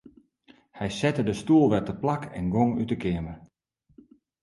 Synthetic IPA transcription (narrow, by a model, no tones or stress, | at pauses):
hɛjsɛtədəstuəlˠʋɛtəplakʰɛ̰nɡoŋytəkʰɪəmər